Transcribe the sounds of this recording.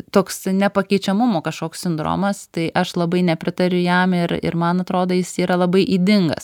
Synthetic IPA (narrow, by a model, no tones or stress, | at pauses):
t̪oːksnʲɛpɐkʲɛɪt͡ʃʲɛmʊmoːkɐʃkoːksʲsʲɪnd̪ɾo̰ːmɐst̪ɐɪʔɐʃlˠɐbɐɪnʲɛpʲɾʲɪt̪ɐɾʲʊjɛmɪɾɪ̰ɾmɐnɐt̪ɾoːd̪oːjɪsiːɾɐlˠɐbɐɪʔiːd̪ʲɪŋɡɐ̰s